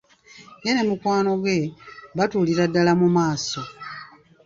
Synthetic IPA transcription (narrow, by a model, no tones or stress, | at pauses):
jenemukwaːno̞ɡwe̞βatuːliɾadːalamumaːso̞